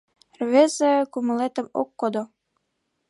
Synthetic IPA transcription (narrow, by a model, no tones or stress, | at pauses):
rβezĕkumŏlet̪ə̆mo̰kːod̪o